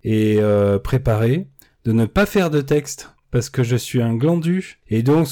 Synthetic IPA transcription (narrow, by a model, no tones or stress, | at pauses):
eøpχepaʁe | d̪̥ənəpafɛʁd̪ət̪̬ɛkst̪ | paʁsə̥kəʒəsɥiɛ̃ɡlɑ̃d̪yed̪ɔ̃k